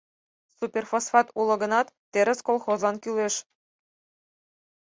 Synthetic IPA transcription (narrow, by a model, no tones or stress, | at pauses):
supʲerfosfɑt̪ulˠɤ̆ɣə̆nɑt̪ːeɾɘ̆skolˠxozɑnkyleʃ